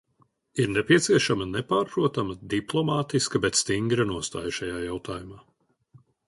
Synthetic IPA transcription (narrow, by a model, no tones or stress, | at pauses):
iɾnɛpiɛt̪siɛʃamɐnɛpaːɾpɾuɔt̪amɐd̪iplˠɔmaːt̪iskɐbɛt̪st̪iŋɡɾɐnuɔst̪a̰ːjʃajaːjawt̪aːjumaː